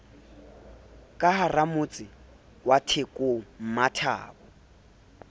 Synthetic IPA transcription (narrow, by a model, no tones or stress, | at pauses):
kʼaɦaramʊt͡sʼɪ | watʰekʼom̩matʰa̰ːbɔ